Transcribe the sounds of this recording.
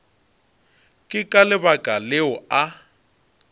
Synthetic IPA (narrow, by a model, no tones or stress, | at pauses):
kʼɪkʼalɪbakʼalɪʊa